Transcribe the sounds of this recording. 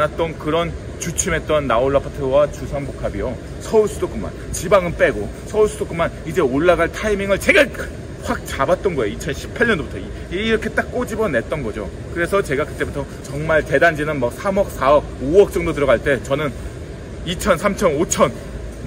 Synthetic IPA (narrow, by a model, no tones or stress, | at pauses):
nat̚t͈ʌnkɯɾʌn | t͡ɕut͡ɕʰume̞t̚t͈ʌnːaoɭːapʰatʰɯwat͡ɕusʰaŋbokʰabijo | sʰʌuɭsʰudok͈ɯma̰nt͡ɕibaŋɯnp͈e̞ɡo | sʰʌuɭsʰudok͈ɯmːanid͡ʑe̞oɭːaɡaɭtʰaimiŋɯɭt͡ɕe̞ɡa | ɸwak̚t͡ɕabat̚t͈ʌnɡʌejoit͡ɕʰʌnɕʰi̥pʰaɭɲʌndobutʰʌi | ɾʌkʰe̞t͈ak̚k͈od͡ʑibʌne̞t̚t͈ʌnɡʌd͡ʑo | kɯɾe̞sʰʌt͡ɕe̞ɡakɯt͈e̞butʰʌ | t͡ɕʌŋmaɭte̞dand͡ʑinɯnmʌk̚sʰamʌk̚s͈ʰaʌɡ̚oʌk̚t͡ɕ͈ʌŋdot̬ɯɾʌɡaɭt͈e̞t͡ɕʌnɯn | it͡ɕʰʌnsʰamt͡ɕʰʌnot͡ɕʰʌn